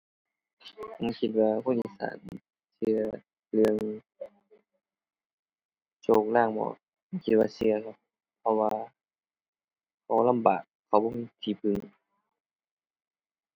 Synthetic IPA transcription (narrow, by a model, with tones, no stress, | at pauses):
ma˧˥˩kʰi˧t̪̚waː˧kʰo˧˥˨nʔḭː˧˨sa̰ː˨˩˦n | sɯ˧ɐ˧ | lɯ˧əŋ | t͡ɕoː˧˩k̚laː˧˥˩ŋbɔ̰ː˨˧˩ | a˧˥˨kʰi˧t̪̚waː˧sɯ˧ɐlɔ˧˩ | pʰɔ˧waː˧ | kʰa˧˩la˧˥˨mbaː˨˩k̚ʰːa˨˧˩wbɔː˧˥˨mi˧˩t̪ʰiː˧˩pʰɯ˧ŋ